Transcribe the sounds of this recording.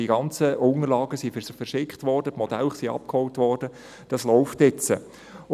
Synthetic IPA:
iɡɑnt͡səʊŋəɾlɑːɡəsiffɛrʃɪkχtʋɔrdətmɔd̥ɛlχsiɑ̰p̚khɔltʋɔːrd̥ə | d̥ɑslɔʊftɪt͡sə

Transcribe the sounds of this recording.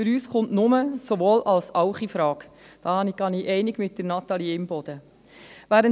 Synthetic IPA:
fyɾyːsχʊntnʊməsoʋoːlʔɑlsɑʊχifɾɑːk | d̥ɑːhɑniɡ̥ɑniʔɛɪnɪɡmɪt̚dənɑt̪ɑliɪmbɔd̪̥ə | ʋæːɾən

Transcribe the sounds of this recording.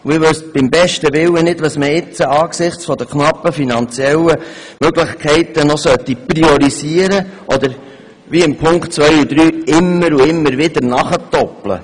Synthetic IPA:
uɪʋɵsb̥ɪmbɛʃtəʋɪwːənɪdʋɑsməɪt͡səɑːksɪχt͡sfɔd̪əkχnɑpːəfinɑnt͡sjɛləmøɡlɪχkʰɛɪt̪ənɔsœtːipriɔɾisiəɾəʔɔd̪əɾ | ʋiɪmpʰʊŋktt͡sʋœjud̥̪ɾyːɪmːəɾuɪmːəɾʋɪd̪əɾnɑχətɔplə̰

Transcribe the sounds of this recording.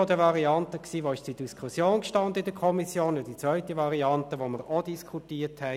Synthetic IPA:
ɔdəʋɑʁiɑntəksiːʋoɪʃt͡sid̥iskʰusjoːnkʃtɑnd̪əɪd̥əkʰɔmisjoːnjɑd̥it͡sʋœʏtiʋɑɾiɑntəʋoməɾod̥iskʰutiːthɛ

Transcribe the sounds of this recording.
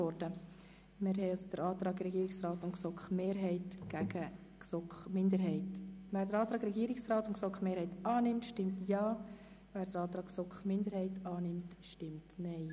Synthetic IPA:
ɔɾd̥ə | mɪɾɦɛɑsd̥əɾɑːt̪ɾɑːɡɾɛɡiːɾɪksrɑːtʊntksɔkχmeːɾɦɛɪtɡ̥æɡ̥ə | ksɔkχmɪndəɾɦɛɪtʋæːɾdəɾɑːt̪ɾɑːɡɾɛɡiːɾɪksrɑːt̪ʊnksɔkχmeːɾhɛɪtɑːnɪmtʃtɪmtjɑː | ʋæːɾdəɾɑːt̪ɾɑːksɔkχmɪnd̪əɾhɛɪtʰɑːnɪmtʃtɪmtnɛɪ

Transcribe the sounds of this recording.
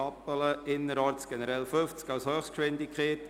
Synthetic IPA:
ɑpələʔɪnːəɾɑːɾtt͡sɡ̥ɛnəɾɛlføft͡skɑwshøːχstkʃʋɪndɪkχeːt

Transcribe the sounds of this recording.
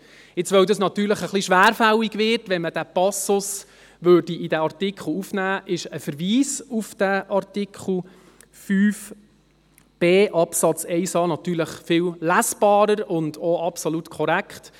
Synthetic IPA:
ɪt͡sʋœwd̪əsnɑt̪yːɾləχəχliʃʋæːɾfæliɡʋɪːrtʋɛnməd̥æpɑsʊs | ʋøːɾdiʔidæɑrtɪkʰχl̩ufnæːʔɪʃəfəɾʋiːsufd̥æʔɑrtikʰχl̩ˠ | fyːf | b̥eːʔɑpsɑt͡sɛɪsɑːnɑt̪yːləχfɪwlæsb̥ɑːɾəɾʊndɔɑpsolutkʰɔɾækχt

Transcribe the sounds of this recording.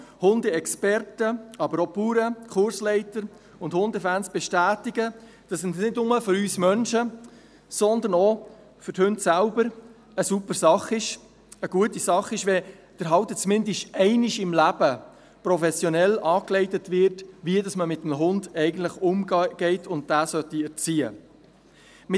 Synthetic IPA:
hʊndəɛkspɛrtəɑbəɾɔpuːɾəkʰχʊɾslɛɪtəɾ | ʊndhʊndəfænsb̥ɛʃtæːtɪɡə | d̥ɑsɪnnɪdnʊməfʏɾyːsmœnʃə | sɔnd̪ənɔ | fʏɾthɵndsælbəɾ | əsupəɾsɑχɪʃ | əɡ̥uətisɑχːɪʃʋɛ | d̥əɾɦɑwtət͡smɪndɪʃtɛɪnɪʃɪmlæb̥ə | pɾɔfɛsjɔnɛlɑːklɛɪtətvɪɾtʋiədɑsməmɪtːəm̩ɦʊndɛɪɡən̩tləχʊmɡ̥ɛɪtʰʊnt̚dæːsœtiɛɾt͡siːə̰ | mɪ

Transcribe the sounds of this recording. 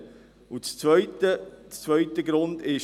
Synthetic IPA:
ut͡st͡sʋœʏtət͡st͡sːʋœʏt̪əɡɾʊnd̪ɪʃ

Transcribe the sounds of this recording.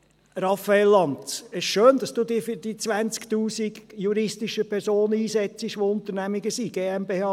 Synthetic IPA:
ɾɑfəɛlːɑntsɪʃʃøːnd̥̪ɑsd̥uːd̪iːfdiːt͡sʋænt͡skt̪uːsiɡjuɾɪstɪʃəpʰɛɾsoːnəiːsɛt͡sɪʃʋoʊnt̪əɾnæmɪɡəsiɡ̥eːɛmbeːhɑː

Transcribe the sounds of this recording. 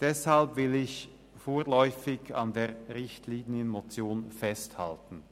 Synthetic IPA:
d̥ɛshalpvɪlɪç | foːɐlɔʏfɪɡa̰ndeːʁɪçtliːnjənmot͡sjoːnfɛstha̰ltn̩

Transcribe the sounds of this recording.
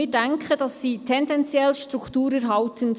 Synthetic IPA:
ɪːdæŋkʰχəd̥ɑsːiːtʰɛndɛnt͡sjɛlʃtɾukʰtuːɾɛɾɦɑltʰən

